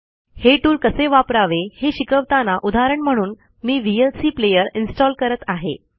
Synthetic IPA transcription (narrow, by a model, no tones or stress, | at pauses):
heʈuːlkəseʋapɾaʋeheɕikəʋt̪anaʔud̪ʱaɾəɳm̤əɽ̃uːn | miːʋielsiːplejəɾinsʈɔlkəɾət̪aɦḛ